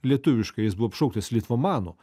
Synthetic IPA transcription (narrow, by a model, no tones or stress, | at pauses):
lʲiɛt̪ʊʋʲɪʃkɐɪjɪsbʊʋoːpʃɐʊkt̪ɐslʲiːt̪ʋomɑːno̰